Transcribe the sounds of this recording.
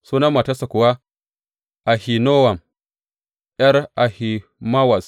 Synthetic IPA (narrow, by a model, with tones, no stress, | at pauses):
su˦na˦mːa˨ta˦sa˨kʊ˨wa˦ | ʔa˨hi˨no˦wa˨m | ʔjɐ˦ɾʔa˨hi˨ma˦wa˨s